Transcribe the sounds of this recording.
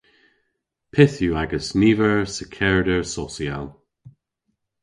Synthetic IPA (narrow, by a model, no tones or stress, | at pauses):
pʰɪθjuaɡəsniːvəɹsəkʰɛɹdəɹsɔsialˠ